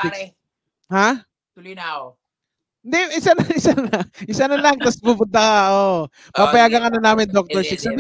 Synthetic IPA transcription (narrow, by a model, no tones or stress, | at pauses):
ha | t̪ʊljna | nd̪ɛɪsanɐɪsanlɐʔɪsanɐlɐŋt̪ɐspʊpʊnt̪ɐkɐʔo | papɐjaːɡɐŋɐnɐnaːmɪnd̪ok̚t̪ɔɹsɪksɐbi